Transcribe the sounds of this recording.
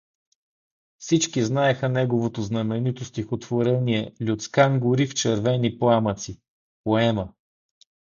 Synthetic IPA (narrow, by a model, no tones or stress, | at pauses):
fsit͡ʃkiznaɛxənɛɡovot̪oznɐmɛnit̪ost̪ixot̪v̥oɾɛniɛlʲʊt̪skaŋɡʊɾift͡ʃɛɾvɛniplˠamət̪si | poɛmə